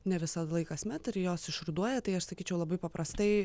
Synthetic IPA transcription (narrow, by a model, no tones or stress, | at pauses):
nʲɛʋʲɪsɐd̪ɐlˠɐɪkɐsmʲɛt̪ɪɾjoːsɪʃrʊd̪uɔjɛt̪ɐɪɐʃsɐkʲiːt͡ʃʲɛʊlˠɐbɐɪpɐpɾɐst̪ɐɪ